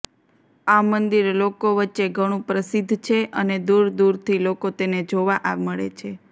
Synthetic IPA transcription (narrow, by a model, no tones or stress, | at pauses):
amənd̪iɾlokoʋətːʃeɡʱəɽ̃ũpɾəsid̪ʱːt͡ʃʰeʔəned̪uɾd̪uɾt̪ʰilokot̪ened͡ʒoʋaʔaʋməɭḛt͡ʃʰe